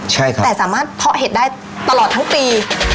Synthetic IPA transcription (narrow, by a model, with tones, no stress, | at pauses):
t͡ɕʰa˥˩jkʰa˦ɛː˨˩saː˩˦maː˥˩t̪̚ʰːɔ˦˥ʔɦe˨˩t̪̚daː˥˩j | t̪a˧lɔː˨˩t̪ʰːa˦˥ŋpiː˧